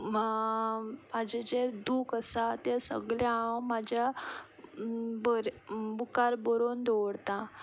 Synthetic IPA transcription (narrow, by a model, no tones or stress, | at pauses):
mad͡ʑed͡ʑed̪uːkəsat̪esə̰ɡɭjamad͡ʑja | bəɾbukaɾbɔɾond̪oɽt̪ã